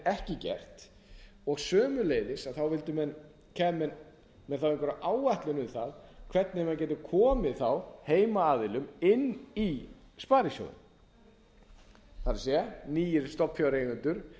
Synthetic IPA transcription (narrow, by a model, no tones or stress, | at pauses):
ɛhcɪcɛ̰r̥t̪ | ɔɣsœːmʏleːjðɪsaðθawvɪlt̪ʏmɛn | kʰɛːmːɛn | mɛðθawɪ̃ŋkvɛɾaʔaːwvajht̪lɪnʏmθaðkʰvɛt̪̚nɪmɛncɛːt̪ʏkʰɔːmɪðθawheːjmaaːðɪlʏmɪnːispaːɾɪsjo̰ðʏ̰m | θaɾsjɛniːjɪɾst̪ɔpfjawɾeːɣʏnt̪ʏɾ̥